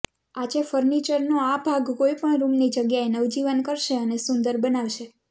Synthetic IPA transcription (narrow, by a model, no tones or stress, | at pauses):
ad͡ʒefəɾnit͡ʃəɾnoabʱaɡkoipəɳɾumnid͡ʒəɡjaenəʋd͡ʒiʋənkəɾʃeənesʊnd̪əɾbənaʋʃe